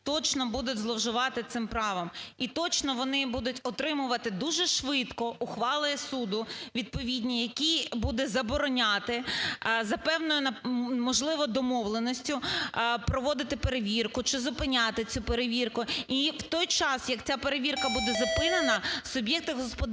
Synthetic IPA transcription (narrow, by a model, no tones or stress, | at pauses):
t̪ɔt͡ʃnɔbud̪ʊtʲzlˠɔwʒʊʋɑt̪ɪt̪sɪmpɾɑʋɐmit̪ɔt͡ʃnɔʋɔnɪbud̪ʊtʲɔt̪ɾɪmʊʋɐt̪ɪd̪uʒɛʃʋɪt̪kɔʊxʋɑlˠɪjɛsud̪ʊʋʲid̪̚pɔʋʲidʲnʲijɐkʲibud̪ɛzɐbɔɾɔnʲat̪ɪzɐpɛwnɔjʊnɐmɔʒlˠɪʋɔd̪ɔmɔʋlˠenɔsʲtʲʊpɾɔʋɔd̪ɪt̪ɪpeɾeʋʲirkʊt͡ʃɪzʊpɪnʲat̪ɪt͡sʲupeɾeʋʲirkʊiwt̪ɔjt͡ʃɑsjɐkt͡sʲapeɾeʋʲirkɐbud̪ɛzɐpɪnenɐsʊbʲjɛk̚t̪ɪɦɔspɔ